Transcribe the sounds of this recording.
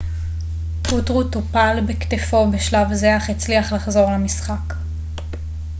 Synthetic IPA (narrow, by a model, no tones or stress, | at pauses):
utʁutopalbekt̪efo̞beʃlavzeaχet͡sliaχlaχzo̞ʁlamisχak